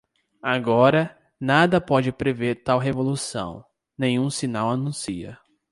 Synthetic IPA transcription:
aɡɔɾɐ | nad̪ɐpɔd͡ʒɪpɾeveɾt̪awɦevolusɐ̰̃w̃ | nẽj̃ɲ̃ũsinawanũsiɐ̰

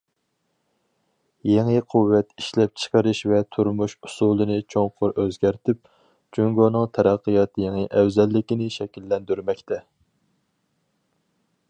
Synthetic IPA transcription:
jeŋɨqʰuwːɛt̪i̥ʃlɛp̚t͡ʃʰə̥qəɾɨʃvɛt̪ʰuɾmuʃu̥sulˠɨnɨt͡ʃʰoŋqʰʊɾʔøzɡʲæɾt̪ʰɪp̚ | t͡ʃyŋɡonɨŋt̪ʰɛɾɑqːəjɑt̪jeŋɨʔɛwzɛlːɪkʲinɪʃɛkʲilːɛnd̪yɾmɛkʲt̪ʰɛ

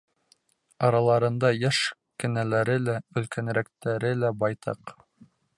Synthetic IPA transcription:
ɑɾɑlˠɑɾɤ̆nd̪ɑjæʃ | kɘ̆nælæɾɘlæɵ̆lkænɾækt̪æɾɘlæbɑjt̪ɑ̰q

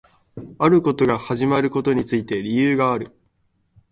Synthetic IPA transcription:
aɾɯ̟ko̞t̪o̞ɡahaʑimaɾɯ̟ko̞t̪o̞ɲ̟it͡sɨit̪e̞ɾʲijɯːɡaːɾɯ̟

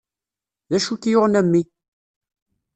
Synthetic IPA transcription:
ðæʃukjoʁnæmːi

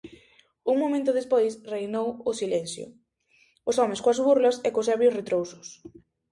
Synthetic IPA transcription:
uŋmomẽnt̪ʊðespojsrejnowʊsilɛnθjʊ̰ | ʊsɔmɪ̃skoazβuɾlɐsɛkosɛɾβjʊsret̪ɾowsʊ̥s

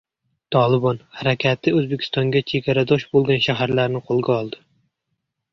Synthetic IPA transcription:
t̪ʰɒlˠɪbɒnhaɾakʲʰat̪ʰɪɵzbekʲʰɪ̥st̪ɒŋɡʲat͡ʃʰe̞ɡʲaɾad̪ɒʃbolˠɡʲanʃaɦaɾlaɾnɪqʰolˠɡʲaɒlˠd̪ɪ

